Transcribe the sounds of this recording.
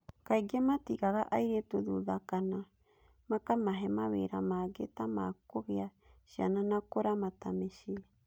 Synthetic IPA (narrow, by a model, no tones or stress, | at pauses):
kajɡamatiɡaɾaʔajɾetuðuðakana | makamaɦemaβḛjɾamaɡetamaːkoɣia | ʃia̰nanakoɾamatameʃi